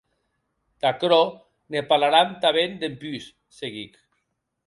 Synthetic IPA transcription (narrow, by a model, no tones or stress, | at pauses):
d̪̥akɾo | nepalaɾamt̪aβend̪empys | seɣik